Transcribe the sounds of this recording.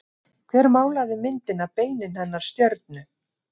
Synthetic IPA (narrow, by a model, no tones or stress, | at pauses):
kʰvɛɾmaːwlaɣðɪmɪnt̪ɪnapeːjnɪnhɛnːaɾ̥st̪jœɾt̪̚nʏ